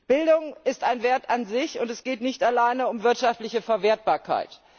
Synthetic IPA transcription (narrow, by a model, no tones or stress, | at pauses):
b̥ɪldʊŋɪstaɪnveːɐtanzɪçʊntɛsɡ̥eːtnɪçtalaɪnəʊmvɪɐtʃaftlɪçəfɛɐveːɐt̚b̥aːɐkʰa̰ɪt